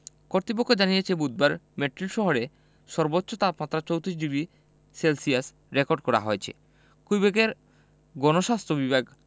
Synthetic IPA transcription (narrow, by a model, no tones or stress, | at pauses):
koɾt̪ɾipokʰːod͡ʑanijet͡ɕʰebud̪̚baɾmeʈɾilʃɔɦoɾe | ʃɔɾbotːɕʰot̪at̪̚mat̪ːɾat͡ɕowt̪ɾiʃ̬ɖiɡɾi | selsias | ɾekoɾɖ̚kɔɾa̰ɦoet͡ɕʰḛ | kujbekeɾ | ɡɔnoʃast̪ɾobibʱaɡ